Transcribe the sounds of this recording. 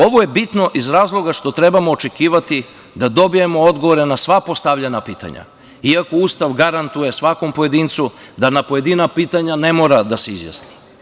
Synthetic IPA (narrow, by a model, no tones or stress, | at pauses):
o̞ʋo̞je̞bit̪no̞ʔizɾaːzlˠo̞ɡaʃt̪o̞t̪ɾe̞bamoːt͡ʃe̞kiːʋat̪i | d̪ad̪o̞bije̞mo̞od̪ɡoʋo̞ɾe̞nasʋapo̞st̪aʋʎanapiːt̪a̰ɲa̰ | iako̞uːst̪aʋɡaɾant̪uje̞sʋako̞mpo̞je̞d̪iːnt̪sud̪anapo̞je̞d̪inapiːt̪aɲane̞mo̞ːɾad̪ase̞izja̰sni